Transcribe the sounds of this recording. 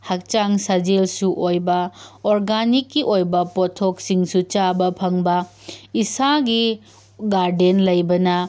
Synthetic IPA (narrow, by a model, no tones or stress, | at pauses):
hɐk̚t͡ʃaŋsɐd͡ʒelsuʔojbɐoɾɡanikːiʔojbɐpotʰoksiŋsut͡ʃabɐpʰɐŋbɐ | isaɡi | ɡaɾdenlɐjbɐnɐ